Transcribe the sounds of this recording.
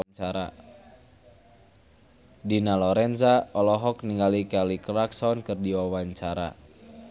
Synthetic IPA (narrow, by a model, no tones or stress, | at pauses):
t͡ʃaɾa̰ | dinalɔɾɛnzaɔlɔɦɔk̚niŋɡalikalikraksɔnkɨrdiwawaɲt͡ʃaɾa̰